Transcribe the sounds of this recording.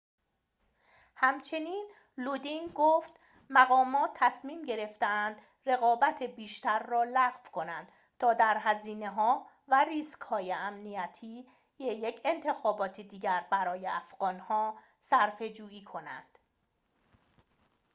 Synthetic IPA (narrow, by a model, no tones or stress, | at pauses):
hæmt͡ʃʰe̞niːn | lud̪inɡoːft̪ | mæɣɒːmɒːt̪ʰːæsmiːmɟe̞ɾe̞ft̪eænd̪ | re̞ɣɒːbæt̪ʰebiːʃt̪æɾːɒːlæɣfkʰo̞nænd̪̥ | t̪ʰɒːd̪æɾɦæziːne̞ɦɒː | væriːskhɒːjeæmnijæt̪ʰiː | jejecʰe̞nt̪ʰe̞xɒːbɒːt̪ʰed̪iːɟæɾbæɾɒːjeʔæfɣ̥ɒːnhɒː | sæɾfe̞d͡ʒuːiːkʰo̞næ̰nd̪̥